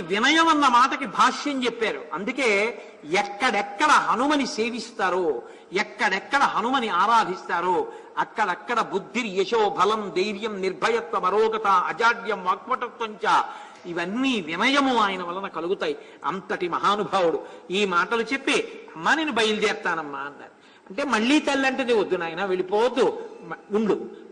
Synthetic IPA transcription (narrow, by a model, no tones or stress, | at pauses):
ʋinɐjɐmɐnːɐmaːʈɐkibʱaːʂjɐɲt͡ʃepːaːɾuɐnd̪uke̞ː | ɛkːɐɽɛkːɐɽɐɦɐnumɐniseːʋist̪aːɾoː | ɛkːɐɽɛkːɐɽɐɦɐnumɐniaːɾaːd̪ʱist̪aːɾoːɐkːɐɽɐkːɐɽɐbud̪ʱːinijeʃoːbʱɐlɐmd̪ɐjɾjɐmniɾbʱɐjɐt̪ʋɐmɐɾɔːɡɐt̪ɐɐd͡ʒaːɖjɐmʋɐk̚ʋɐʈɐt̪ːɐɲt͡ʃaː | iʋɐnːiːʋinɐjɐmuaːjɐnɐʋɐlːɐnɐkɐluɡut̪aːji | ɐ̰nt̪ɐʈimɐɦaːnubʱaːwuɽuiːmaːʈɐlut͡ʃe̞pːeːɐmːaːne̞ːnibʱɐjɐld̪ɛːɾt̪aːnɐmːaːɐnːa̰ːɾ | ɐɳʈe̞ːmɐɭːiːt̪ɐlːɐɳʈɐnd̪iʋɐd̪ːunaːjɐnɐʋe̞ɭipoːwɐd̪ːuuɳɽu